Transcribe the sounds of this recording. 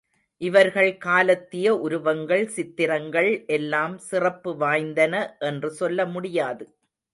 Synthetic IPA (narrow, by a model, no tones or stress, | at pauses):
ʔɪʋɐɾɣɐɭkaːlɐt̪ːɪjɐʔʊɾʊʋɐŋɡɐɭsɪt̪ːɪɾɐŋɡɐɭʔɛlːaːmsɪrɐpːɯʋaːjnd̪ɐnɐʔɛndrɯsɔlːɐmʊɽɪjaːðɯ